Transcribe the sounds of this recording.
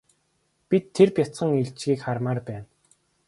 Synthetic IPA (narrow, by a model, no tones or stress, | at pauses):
pit̪ʰːerpjat͡sə̆ŋiɮt͡ɕɡiːkχarmaːrpæːn